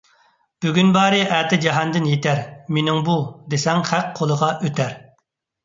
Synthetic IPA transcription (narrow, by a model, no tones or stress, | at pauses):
b̥yɡʲynbɑːɾɨʔæt̪ɪd͡ʒɑɦɑnd̪ɪnjet̪æɾmenɪŋbud̪esɛŋhækqʰolˠəʁɑʔøt̪ʰæɾ